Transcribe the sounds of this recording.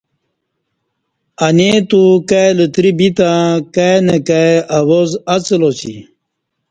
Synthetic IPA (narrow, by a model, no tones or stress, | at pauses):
anet̪ukajlət̪ɾibit̪ãkanekaawozat͡səlot͡ɕḭ